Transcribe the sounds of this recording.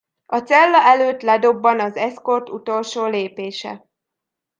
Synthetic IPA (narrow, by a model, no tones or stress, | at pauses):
ɒt̪sɛlːɒʔɛløːt̪lɛd̪o̞bːɒnɒzɛsko̞rt̪ṵt̪o̞lʃoːleːpeːʃɛ̰